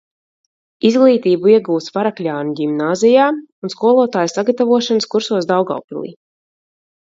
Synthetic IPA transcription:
izɡlˠiːt̪iːbuiɛɡuːt̪svaɾaklʲaːnuɡimnaːzijaːunskuɔlˠuɔt̪aːjsaɡat̪avuɔʃanəskuɾsuɔzd̪awɡa̰wpilˠḭː

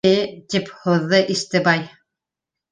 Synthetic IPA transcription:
ɘt̪iphŭðːɤʔist̪ɘbɑj

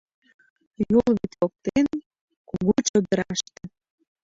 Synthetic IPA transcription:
jolβit̪ok̚t̪en | kuɣot͡ɕod̪əɾɑʃt̪ĕ

